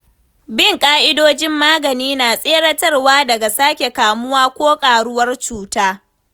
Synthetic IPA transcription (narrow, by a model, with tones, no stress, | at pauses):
bɪ˦˨ŋkʼaː˦ʔɪ˦doː˦d͡ʒɪ˦mːaː˦ɡɐ˨niː˦naː˨sʼeː˦ɽɐ˦tɐ˦rwaː˦dɐ˨ɡa˨saː˦kʲe˨kaː˨mʊ˦waː˦kʷoː˦kʼaː˨ɽʊ˦wɐ˦rt͡ʃuː˨taː˦